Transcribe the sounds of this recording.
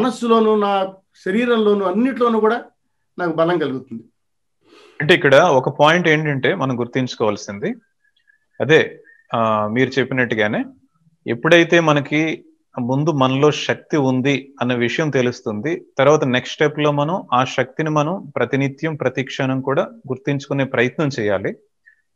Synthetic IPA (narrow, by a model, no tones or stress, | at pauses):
mɐnɐsːulo̞ːnuːnaː | ʃɐɾiːɾɐmlo̞ːnuːɐnːiʈlo̞ːnuːkuːɽaː | naːkubɐlɐŋɡɐluɡut̪und̪i | ɐɳʈe̞ːikːɐɽɐɔkɐpaːjiɳʈe̞ːɳʈɐɳʈe̞ːmɐnɐmɡuɾt̪iɲt͡ʃu̥kɔːʋaːlsind̪i | ɐd̪e̞ː | miːɾut͡ʃe̞pːinɐʈːuɡaːne̞ː | ḛpːuɽɐjit̪e̞ːmɐnɐki | mund̪umɐnɐlo̞ːʃɐk̚t̪iund̪iɐnːɐʋiʂɐjɐmt̪e̞lust̪und̪it̪ɐɾuʋaːt̪ɐneksʈepːlo̞ːmɐnɐmaːʃɐk̚t̪inimɐnɐmpɾɐt̪init̪jɐmpɾɐt̪iːkʂɐɳɐmkuːɽaːɡuɾt̪iɲt͡ʃu̥kune̞ːpɾɐjɐt̪nɐmt͡ʃɛːjaːli